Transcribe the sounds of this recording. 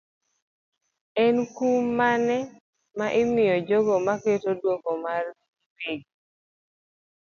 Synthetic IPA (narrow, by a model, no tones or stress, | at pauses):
ɛnkumanɛ | maʔɪmɪjɔd͡ʒoɡomaketodwoɡomar | ipeɡi